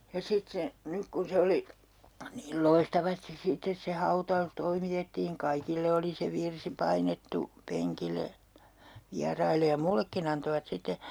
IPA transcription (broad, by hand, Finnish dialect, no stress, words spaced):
jɑ sit se nyk kun se oli niːl loistɑʋɑstis sitːes se hɑutɑus toimitetːiːŋ kɑikilːe oli se ʋirsi pɑinetːu peŋkilˑe ʋiɑrɑilˑe jɑ mulːekːin ɑntoʋɑt sitːe